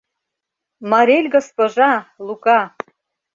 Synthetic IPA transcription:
mɑɾʲelʲɡospoʒɑlˠukɑ

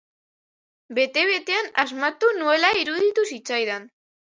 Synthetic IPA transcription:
be̞t̪e̞β̞e̞t̪e̞anazmat̪unue̞laiɾuðit̪usit͡sajðan

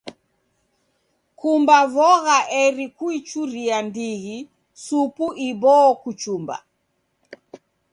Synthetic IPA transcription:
kumbavɔɣaʔɛɾikuit͡ʃuɾiandiɣi | supuʔibɔːkut͡ʃumba̰

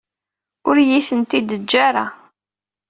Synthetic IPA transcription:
ʊɾjiθənt̪id̪əd͡ʒːaɾa

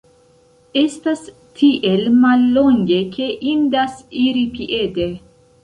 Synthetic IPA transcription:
e̞stas | tʰiʔe̞lmalːo̞ŋɡe̞kʰe̞ʔindasiɾipiʔe̞de

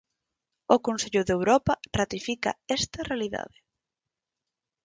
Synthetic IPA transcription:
ʊkonseʎʊðewɾɔpɐrat̪ifika̰ɛst̪ɐrealiða̰ðɪ

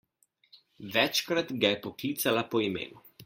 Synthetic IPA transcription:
ʋɛt͡ʃkɾat̪ɡajɛpɔkliːt̪salapɔimḛːnu

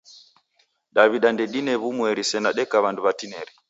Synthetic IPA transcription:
ɗaβiɗandɛɗinɛβumwɛɾisɛnaɗɛkaβanduβatinɛɾɛ

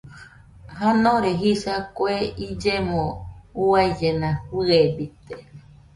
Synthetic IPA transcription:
hanõɾeɦisakoeid͡ʒemõuaid͡ʒenãɸɨebit̪e

